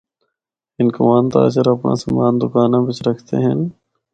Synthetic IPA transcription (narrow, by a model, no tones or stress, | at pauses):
ɪnkoʋaːnt̪a̰ːt͡ʃəɾəpɳa̰ːsəmaːnd̪ʊkaːnãːbɪt͡ʃɾəkʰt̪ḛːɦən